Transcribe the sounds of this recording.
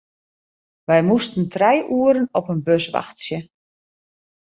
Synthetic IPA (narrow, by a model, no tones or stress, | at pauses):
ʋɛjmustən̩trɛjʔuəɾənɔpənbøsʋa̰xtsjə